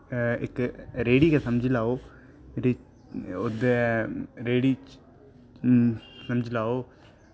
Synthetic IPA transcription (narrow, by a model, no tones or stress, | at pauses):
ɪ̰kɾeːɽiːkesəmd͡ʒʱlaːoː | meːɾi | od̪eɾeːɽiː | səmd͡ʒʱlaːoː